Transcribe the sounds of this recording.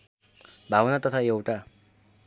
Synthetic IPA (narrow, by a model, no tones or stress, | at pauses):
bʱabʌnat̪ʌt̪ʰaewʈa